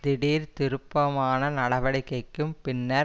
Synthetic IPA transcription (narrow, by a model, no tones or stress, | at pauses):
d̪ɪɽiːɾt̪ɪɾɯpːɐmaːnɐnɐɽɐʋɐɽɪkːɐɪkːɯmpɪnːɐ